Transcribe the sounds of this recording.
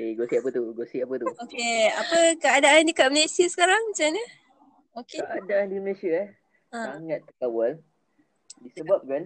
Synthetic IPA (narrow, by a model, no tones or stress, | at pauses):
eɡosiap̬ət̪uɡosiap̬ət̪uokeapəkəadaʔand͡ʒəkaʔ̚məlesiəsə̥kaɾaŋmət͡ʃamɲə | okekəʔadaʔandiɾiməlesia | aŋat̪ːəkawal | disəbap̚kan